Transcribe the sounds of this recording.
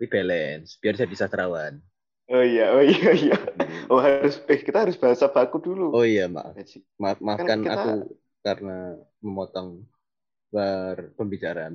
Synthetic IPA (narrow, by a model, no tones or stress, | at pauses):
ɾib̥elɛnsb̥iarsajadisast̪ɾawan | oijaoioijaoɦaɾʊsbkit̪aɦaɾʊsb̥aɦasapakuduluoijama̰ʔ | mamakana̰ku | kaɾəna | məmɔt̪ɔŋ | pərpəmbit͡ʃaɾan